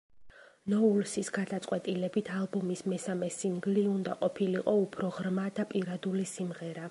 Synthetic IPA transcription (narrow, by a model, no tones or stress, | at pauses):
nɔulsisɡad̪at̪sʼqʼwɛt̪ʼilɛbit̪ʰalˠbɔmismɛsamɛsiŋɡliund̪aqʼɔpʰiliqʼɔupʰɾɔʁɾmad̪apʼiɾad̪ulisimʁɛɾa